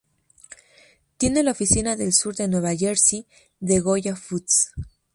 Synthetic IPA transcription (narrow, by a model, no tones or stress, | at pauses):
t̪je̞ne̞laofisinaðe̞lsuɾðe̞nwe̞βaʝeɾsi | ðe̞ɣo̞ʝafut̪s